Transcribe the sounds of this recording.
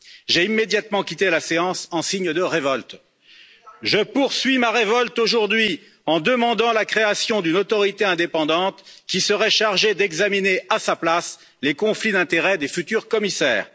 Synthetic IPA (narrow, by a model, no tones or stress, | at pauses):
ʒeimed̪jat̪mɑ̃kʲit̪elaseɑ̃sɑ̃siɲd̪əʁevɔlt̪ | ʒəpuʁsɥimaʁevɔlt̪oʒuʁd̪ɥi | ɑ̃d̪əmɑ̃d̪ɑ̃lakχeasjɔ̃d̪ynɔt̪ɔʁit̪eɛ̃d̪epɑ̃d̪ɑ̃t̪kʲisəʁɛʃaʁʒed̪ɛɡzamineasaplas | lekɔ̃flid̪ɛ̃t̪eʁɛd̪efyt̪yʁkɔmisɛ̰ːʁ